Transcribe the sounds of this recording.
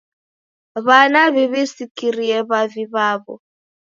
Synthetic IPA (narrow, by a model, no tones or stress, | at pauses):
βanaβɛβesikiriɛβaviβaːβɔ̰